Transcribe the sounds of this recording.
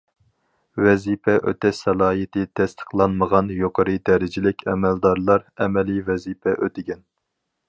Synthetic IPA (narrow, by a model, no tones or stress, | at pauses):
wɛzipʰɛʔø̰t̪ʰɛsɛlˠɑːɦit̪ʰɪt̪ʰɛst̪ʰə̥qʰlˠɑnməʁɑnjoqʰəɾɨd̪ɛɾɪd͡ʒɪlɪkʲʰɛmɛld̪ɑɾlˠɑɾɛmɛlivɛzipʰɛʔøt̪ʰɪɡʲɛn